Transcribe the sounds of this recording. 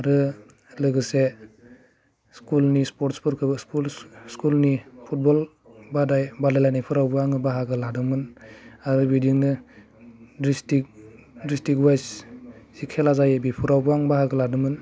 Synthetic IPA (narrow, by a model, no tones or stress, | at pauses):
aɾɯ | lɯɡɯse | skulnispɔɾtspɔɾkʰɯsulskulnipʰut̚bɔl | badajbadajlajnajpʰɯɾawbuaŋɯbaɦaɡɯladɯmɯnaɾɯbidiŋnɯ | dɾistik̚dɾistikwajssikʰelazajebipʰɯɾawbuaŋbaɦaɡɯladɯmɯn